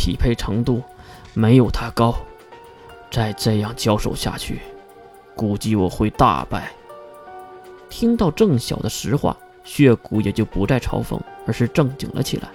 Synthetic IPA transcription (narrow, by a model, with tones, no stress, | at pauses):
t̪ʰḭ˨˩pʰe˥˩ɪʈ͡ʂʰɤ˧˥ŋt̪u˥˩ | me˧˥ɪjo˨˩ʊt̪ʰa˥kɑ˥ʊ | t͡sa˥˧ɪʈ͡ʂɤ˥˧jɑ˥˩ŋt͡ɕjɑ˥ʊʂo̰˨˩ʊɕja̰˥˧t͡ɕʰy˥˩ | ku˨˩t͡ɕi˥˩wɔ̰˨˩xwe˥˧ɪt̪a̰˥˧pa̰˥˩ɪ | t̪ʰi˥ŋt̪ɑ˥˧ʊʈ͡ʂɤ˥˩ŋɕjɑ̰˨˩ʊd̪ə˦ʂɻ̩˧˥xwa̰˥˩ | ɕɥɛ˥˩ku˧˥jɛ˨˩t͡ɕjo˥˩ʊpu˧˥t͡sa˥˩ɪʈ͡ʂʰɑ̰˧˥ʊfɤ̰˧˥ŋə˞˧˥ʂɻ̩˥˧ʈ͡ʂɤ˥˩ŋt͡ɕḭ˨˩ŋlʔə̰˦t͡ɕʰḭ˨˩la̰˧˥ɪ